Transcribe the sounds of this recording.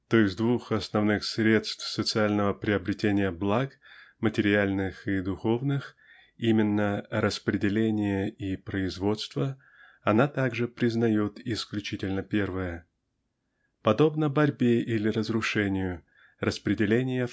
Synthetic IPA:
t̪oɪzʲd̪vuxɐsnɐvnɨxsɾʲe̞t̪st̪fsət̪sɨalʲnəvəpɾʲɪɐbɾʲɪtʲenʲɪjəblˠakmətʲɪɾʲɪalʲnɨxid̪ʊxo̞vnɨx | imʲɪnːəɾəspɾʲɪdʲɪlʲenʲɪjəipɾəɪzvo̞t̪st̪və | ɐnat̪aɡʐɨpɾʲɪznɐjot̪ɪsklʲʉt͡ɕitʲɪlʲnəpʲe̞rvəjə | pɐd̪o̞bnəbɐɾʲbʲeʔilʲɪrəzɾʊʂɛnʲɪjʊ | rəspɾʲɪdʲɪlʲenʲɪjə

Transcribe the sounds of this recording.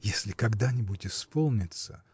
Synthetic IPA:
jesʲlʲɪkɐɡd̪anʲɪbʊtʲɪspo̞lˠnʲɪt̪sə̰

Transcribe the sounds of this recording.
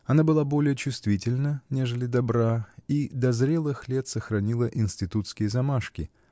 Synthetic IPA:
ɐnabɨlˠabo̞lʲɪjət͡ɕʊst̪vʲitʲɪlʲnənʲe̞ʐəlʲɪd̪ɐbɾaid̪ɐzɾʲe̞lˠɨxlʲe̞t̪səxɾɐnʲilˠəʔɪnsʲtʲɪt̪ut̪skʲɪjəzɐmaʂkʲɪ

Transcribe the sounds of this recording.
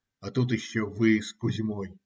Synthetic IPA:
ɐt̪ut̪ɪɕːovɨskʊzʲmoj

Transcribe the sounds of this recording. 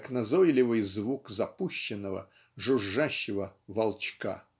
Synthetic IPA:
ɐknɐzojlʲɪvɨjzvukzɐpuɕːɪnːəvə̰ | ʐʊʐːaɕːɪvəvɐlˠt͡ɕka̰

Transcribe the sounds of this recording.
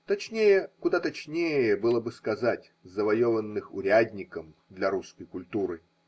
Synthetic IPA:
t̪ɐt͡ɕnʲejəkʊd̪at̪ɐt͡ɕnʲejəbɨlˠəbɨskɐzatʲzəvɐjovənːɨxʊɾʲadʲnʲɪkəm | d̪lʲɐɾuskəjkʊlʲt̪uɾɨ

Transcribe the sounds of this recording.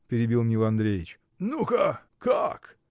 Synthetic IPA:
pʲɪɾʲɪbʲilˠmʲnʲilˠɐnd̪ɾʲejɪt͡ɕ | nuka | kak

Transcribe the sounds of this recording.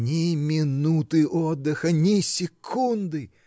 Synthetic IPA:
nʲimʲɪnut̪ɨʔɔd̪ːɨxɐnʲɪsʲɪkʰund̪ɨ

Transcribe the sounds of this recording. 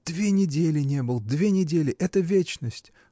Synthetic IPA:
d̪̥vʲenʲɪdʲelʲɪnʲebɨlˠd̪vʲenʲɪdʲelʲɪʔɛt̪əvʲet͡ɕnəsʲtʲ

